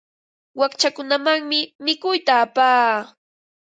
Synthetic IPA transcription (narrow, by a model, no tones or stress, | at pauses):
wakt͡ʃakʊnamaŋmɪmɪkʊjt̪aːpaː